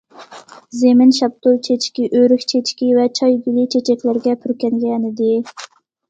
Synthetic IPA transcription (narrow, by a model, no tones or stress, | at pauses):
zemɪnʃɑp̚t̪olˠt͡ʃʰet͡ʃkʲiʔøɾykʲt͡ʃʰet͡ʃkʲivɛt͡ʃʰɑjɡʲilit͡ʃʰet͡ʃʰɛkʲlɪɾɡʲɛpʰyɾkʲɛŋɡʲɛnɪd̪ɪ